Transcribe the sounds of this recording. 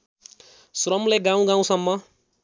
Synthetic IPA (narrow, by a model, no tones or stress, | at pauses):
srʌmleɡãw̃ɡãw̃sʌmːʌ